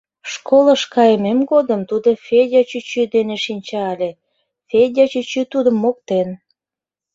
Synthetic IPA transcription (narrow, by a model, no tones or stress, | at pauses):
ʃkoləʃkɑjəmemɡod̪əmt̪ud̪ofʲedʲɑt͡ɕyt͡ɕyd̪eneʃinʲt͡ɕɑɑlʲe | fedʲɑt͡ɕyt͡ɕyt̪ud̪əmːok̚t̪en